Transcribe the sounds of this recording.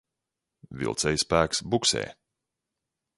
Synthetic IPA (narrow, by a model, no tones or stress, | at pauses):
vʲḭlˠt̪sɛjspæːksbuksɛ̰ː